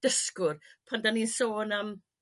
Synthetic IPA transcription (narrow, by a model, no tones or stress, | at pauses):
d̥əskʊrpʰandaninsoːnəm